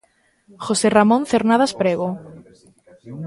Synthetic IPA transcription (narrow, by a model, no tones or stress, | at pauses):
xoseramõnθeɾnaðaspɾeɣo